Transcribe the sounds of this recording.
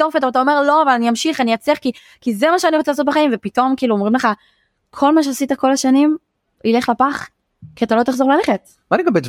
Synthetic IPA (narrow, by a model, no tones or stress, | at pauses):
ofetoatao̞me̞ʁlo̞avalaniamʃiχanijat͡seχki | kizemaʃeaniʁot͡seasot̚beχaimvepito̞mkiːluomʁimleχa | kʰo̞lmaʃ̬easit̪ako̞laʃanim | ile̞χlapaχ | kiat̪alo̞t̪aχzoʁelaleχet | maniɡambet